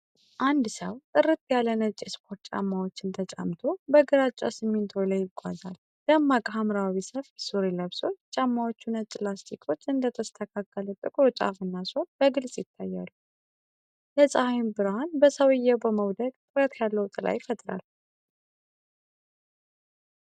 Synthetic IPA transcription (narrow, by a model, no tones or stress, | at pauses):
ʔand̪səwt̪ʼɨrɨt̪̚ʰjalənət͡ʃʼːispʰo̞ɾt̪t͡ʃʼa̰mːawo̞t͡ʃːɨnt̪ʰət͡ʃʼa̰mt̪ʰo̞bəɡɨɾat͡ʃʼːa̰sɨmːint̪ʰoləjɪɡʷa̰zal | d̪amːakʼɦamɾawisəfbsuɾiləβso̞t͡ʃːt͡ʃʼamːawot͡ʃːunət͡ʃʼlast̪ʰikʰo̞t͡ʃːɨnd̪ət̪ʰəst̪ʰəkʰakːələt̪ʼɨkʼɾot͡ʃʼa̰fɨnːaso̞nbəɡɨlsʼjɪt̪ʰːajːa̰lːu | ləsʼahajmbɨɾhanbəsəwɨjːɛwbəməwd̪əɡt̪ʼɨɾət̪ʰjalːəwt̪ʼɨla̰jfət̪ʼɾa̰l